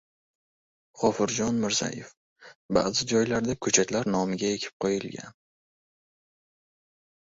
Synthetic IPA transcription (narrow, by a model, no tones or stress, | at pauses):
χɒfɪɾd͡ʒɒnmɪɾza̰jḛf | ba̰ːzɪd͡ʒɒjlaɾd̪akʰɵt͡ʃʰat̪laɾnɒmɪɡʲaje̞kʲʰɪ̥p̚qʰojɪlɡʲa̰n